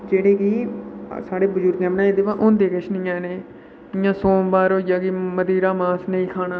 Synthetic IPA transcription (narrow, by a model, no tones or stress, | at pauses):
d͡ʒeːɽeːkiːsaːɽeːbəzʊɾɡɛːmnãːeːd̪eːʋãːʔʊnd̪eːkəʃnɪjãːneː | ɪjãːsoːbaːɾɦoːjaːkiːməd̪iːɾaːmaːsnəĩːkʰaːnaː